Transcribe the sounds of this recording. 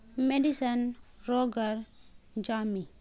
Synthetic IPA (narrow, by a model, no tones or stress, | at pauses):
meɖisənɾoɡaɾd͡ʒami